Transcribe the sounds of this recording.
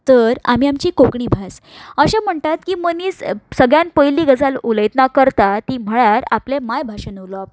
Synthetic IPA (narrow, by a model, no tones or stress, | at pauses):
t̪əɾa̰miːamt͡ɕiːkokɳiːbʱasəɕam̤əɳt̪at̪kiːməniːssəɡɭjanpəjliːɡəd͡zaluləjt̪nakəɾt̪at̪iːm̤əɭjaɾa̰plemajbʱaɕənəʋloap